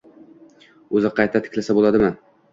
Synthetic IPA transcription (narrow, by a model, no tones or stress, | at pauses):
ɵzɪqʰɑjt̪ʰat̪ʰɪ̥kʲlasabolˠad̪ɪman